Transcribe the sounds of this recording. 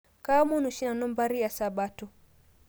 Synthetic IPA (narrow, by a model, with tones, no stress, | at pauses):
ka˦mu˦nu˨ʃi˦na˨nɔ˦mba˦ɾi˦ja˨sa˨ɓa˦tu˨